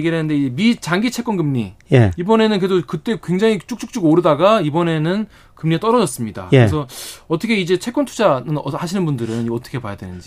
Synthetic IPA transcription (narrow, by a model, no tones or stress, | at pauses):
ɡiɾanɯnde̞id͡ʑe̞mit͡ɕaŋɡit͡ɕʰe̞k͈ʌnɡɯmɲijeibʌne̞nɯnkɾedokɯt͈e̞kwe̞ŋd͡ʑaŋit͡ɕ͈ʰuk̚t͡ɕ͈uk̚t͡ɕ͈uɡoɾɯdaɡaibʌne̞nɯn | kɯmɲiat͈ʌɾʌd͡ʑʌs͈ɯmɲida̰keɾesʰʌʌt͈ʰʌkʰe̞id͡ʑe̞t͡ɕʰe̞k͈ʌntʰud͡ʑanɯnhaɕʰinɯnbundɯɾɯnʌt͈ʰʌkʰe̞pajadwenɯnd͡ʑi